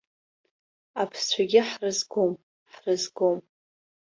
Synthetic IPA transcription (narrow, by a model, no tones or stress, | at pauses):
apʰst͡ɕʷʰaɡʲɪħrɨzɡom | ħrɨzɡom